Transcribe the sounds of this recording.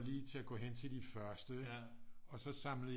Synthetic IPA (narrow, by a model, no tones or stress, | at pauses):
liːt͡sʰe̝æɡ̥ɔ̰ːɦen̰t͡sʰe̝ld̥ifɶɐsd̥ə | ɒ̽sɒ̽sɑ̈mlə